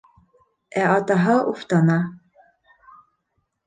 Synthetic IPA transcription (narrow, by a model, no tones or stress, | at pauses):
æʔɑt̪ɑɦɤʔuft̪ɑnɑ